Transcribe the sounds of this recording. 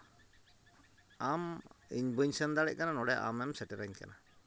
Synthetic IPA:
amḭɲbuɲsənd̪aɽɛ̰ʔkananɔɽɛʔa̰mɛmsɛʈɛɾaɲka̰na

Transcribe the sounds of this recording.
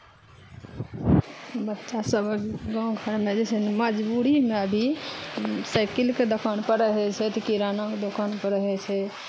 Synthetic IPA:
bətːʃasəbʱəɡɔ̃ɡʱəɾmed͡ʒesɛməd͡ʒbuɾimeəbʱi | səɪkilked̪əkʰənpəɾəɦɛt͡ʃʰɛt̪əkiɾanɔ̃ked̪okʰanpəɾəɦɛt͡ʃʰɛ

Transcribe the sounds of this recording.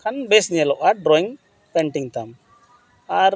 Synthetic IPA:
kʰɐnbesnielɔʔaɖɾɔːiŋ | peɳʈiŋt̪am | aɾ

